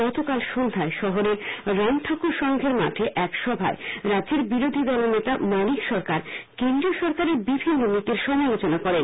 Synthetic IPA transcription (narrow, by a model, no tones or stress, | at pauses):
ɔt̪okalʃond̪ʱaeʃɔɦoɾeɾɾɔnʈʰakuɾʃɔŋɡʱeɾma̰ʈʰeʔɛkʃɔbʱa̰eɾadːd͡ʑeɾbiɾod̪ʱid̪ɔlonet̪amɔnikʃɔɾkaɾkend̪ɾioʃɔɾkaɾeɾbibʱinːonːit̪iɾʃɔmalot͡ɕonakɔɾen